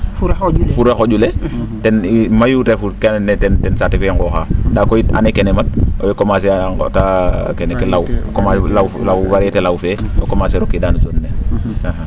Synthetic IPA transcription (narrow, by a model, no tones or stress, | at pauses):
fufuɾexoɟule | tenimajutefuɾkenntetensatefeŋɡoxadakoita̰nekenemat̚o̰jokomas̬ḛtakenekelawkomalawlawwaɾetelawfeo̰komaseɾokːidaːnusonːeaha